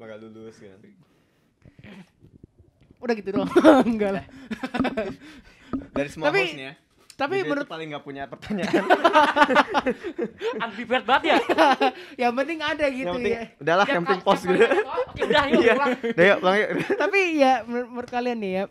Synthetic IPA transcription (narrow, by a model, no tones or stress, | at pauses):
bakaldulʊskan | udahɡit̪udɔŋɡalah | daɾisəmuapisna | t̪ap̬imənuɾʊt̪alɪŋɡapuɲapərt̪aɲaʔan | anfipɛrt̪̚baat̪̚ja | japənt̪ɪŋadaɡijaəujaudahlahjamət̪ɪŋpɔsɡit̪uudajaadajaʔpəlaŋjadt̪apijaməɾt̪̚məɾʊt̪̚kalianːɪja